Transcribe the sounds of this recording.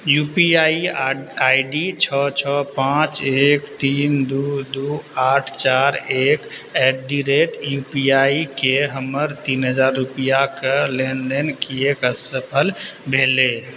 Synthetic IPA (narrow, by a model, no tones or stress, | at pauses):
jupiaiaiɖit͡ʃʰɔt͡ʃʰɔpãt͡ʃekt̪ind̪ud̪uaʈʰt͡ʃaɾek | ɛɖiɾeʈjupiaikeɦəməɾt̪inɦəd͡ʒaɾːupijakelend̪enkiekəsəpʰəlbʱele